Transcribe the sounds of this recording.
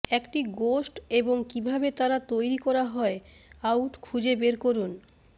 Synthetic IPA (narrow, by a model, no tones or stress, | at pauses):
ɛkʈiɡosʈeboŋkibʱabet̪aɾat̪ojɾikɔɾaɦɔeawʈkʰud͡ʑebeɾkoɾun